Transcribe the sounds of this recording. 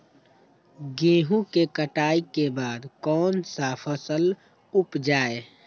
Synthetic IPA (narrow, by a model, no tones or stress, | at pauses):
ɡẽːɦũkekəʈaːikebaːd̪kɔːnsapʰəsəl | ʊpd͡ʒaːe